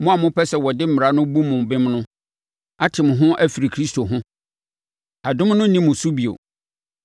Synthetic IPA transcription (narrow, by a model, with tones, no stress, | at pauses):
mʊ̃˦a˨mʊ̃˦pʰɛ˦sɛ˨wɔ˨dɪ˦m̩˦m˨ɾa˨˦nʊ̃˦bu˦mʊ̃˨m˨bɪ̃˦mnʊ̃˦ | a˦tʰɪ̃˨m˨ɦʊ̃˦ʔæ˦fi˨ɾi˨kʰɾi˦stʰo˨ɦʊ̃˦ | a˨dʊ̃˦mnʊ̃˦nĩ˦mʊ̃˨su˦bi˨o̰˨